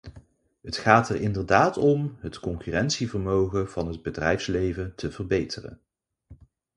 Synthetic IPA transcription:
ɦətχaːtɛrʔɪndərdaːtɔmɦətkɔŋkyrɛntsivəɹmowχəv̥ɑnɦəd̚bədrɛjfslejvətʰəvərbejtʰərə̰n

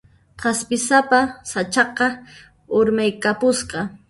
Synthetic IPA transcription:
qɑspɪsapasat͡ʃɑqɑ | oɾmajkapʊsqɑ

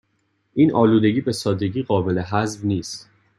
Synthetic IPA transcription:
ʔiːnʔɒːluːd̪e̞ɟiːbe̞sɒːd̪e̞ɟiːɣɒːbe̞le̞ɦæzbniːst̪

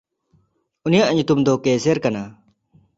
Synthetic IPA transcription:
unijaʔɲut̪umd̪ɔkeseɾkana

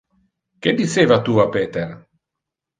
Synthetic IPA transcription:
k̟ed̪iseːvat̪uapeːt̪ɛr

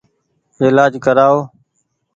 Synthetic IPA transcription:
ɪːlaːd͡ʒkəɾaːoː

